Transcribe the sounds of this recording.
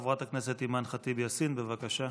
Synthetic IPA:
vʁat̪akneset̪imanχat̪ibjasinbevakaʃa

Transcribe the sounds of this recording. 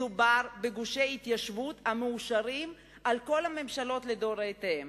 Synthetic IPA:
ubaʁbeɡuʃejit̪jaʃvuthameuʃaʁim | ʔalko̞lhame̞mʃalo̞t̪led̪o̞ʁet̪eem

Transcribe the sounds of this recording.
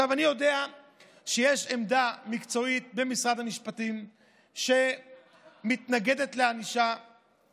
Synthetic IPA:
avanijo̞de̞a | ʃejeʃemd̪amikt͡so̞it̪̚be̞misʁad̪amiʃpatim | ʃe̞ | mit̪naɡe̞d̪e̞t̪leaniʃa

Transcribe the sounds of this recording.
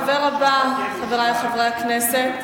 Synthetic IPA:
veʁabaχaveʁajχavʁejaknɛset̪

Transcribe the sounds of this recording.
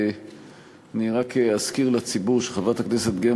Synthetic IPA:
niʁakeaskiʁlat͡sibuʁʃeχavat̪akneset̪ɡe

